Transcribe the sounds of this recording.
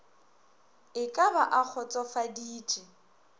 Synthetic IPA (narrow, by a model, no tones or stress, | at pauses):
ɪkʼabaʔak͡xʰɔt͡sʼɔfadiːt͡ʃʼɪ